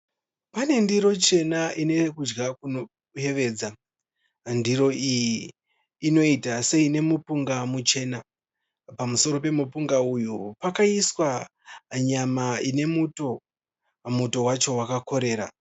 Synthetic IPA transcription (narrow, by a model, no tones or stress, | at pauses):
pane̞ndiɾo̞t͡ʃe̞naʔine̞kud͡ʒɡakuno | ɦe̞ʋe̞ːd͡za | ndiɾo̞ijiː | no̞itase̞ine̞mupuŋɡamut͡ʃe̞ːna | pamuso̞ɾo̞pe̞mupuŋɡaujupakaiswa | ɲamaine̞muto̞ | muto̞wat͡ʃo̞wakako̞ɾe̞ːɾa